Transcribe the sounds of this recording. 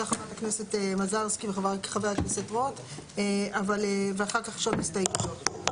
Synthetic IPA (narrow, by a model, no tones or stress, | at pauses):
aχavaʁaknesetemazaʁskiveχavakχaveaknesetʁot | eavaleveaχaʁkaχʃot̪mist̪ajipḁʃot